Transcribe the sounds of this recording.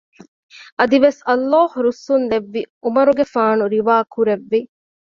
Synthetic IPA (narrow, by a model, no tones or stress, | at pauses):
ʔɐd̪iʋesɐlːaːhuɾusːund̪eʋːiʔumɐɾuɡefaːnuɾiʋaːkʰuɾeʋːi